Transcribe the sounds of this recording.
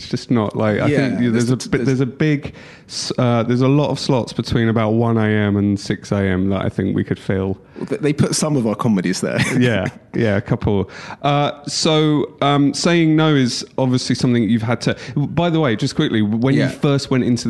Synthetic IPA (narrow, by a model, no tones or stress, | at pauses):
ɪtsd̥ʒ̥ʌsnəʔlʔa̰ɪkaɪθɪ̃ŋkjæðəzəðə˞zəbɪɡ | sʌðəzəlɒɾə̰v̥slɒtsb̥ɨtʰw̥ĩnəbaʊʔ̚wʌ̃neɪɛ̃mə̃nsɪkseɪɛ̃mðə̰ɾa̰ɪθɪ̃ŋkwḭkʰɨd̥fiːlˠ | ððeɪpʰʊtsʌ̃mʌvaʊə˞kʰɒmɨɾiz̥ðə̰jæjæəkʰʌpʰl̩ˠʔʌsoʊʌ̃mseɪɪ̃ŋnoʊɪz̥ɒbviəslisʌ̃mθɪ̃ŋt͡ʃjʉv̥əd̚tʰɨbaɪðəweɪd͡ʒʌskʰw̥ɪkliwə̃njɨfɜˑ˞st̚wɛ̃ntɪ̃ntʰʉ